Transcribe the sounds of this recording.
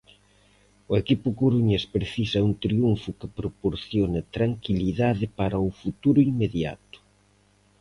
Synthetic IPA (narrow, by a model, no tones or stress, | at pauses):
ʊekipʊkoɾuɲespɾeθisɐuŋt̪ɾiuɱfʊkɪpɾopoɾθjonet̪ɾaŋkiliðaðɪpaɾɐʊfut̪uɾʊiŋmeðja̰t̪ʊ̥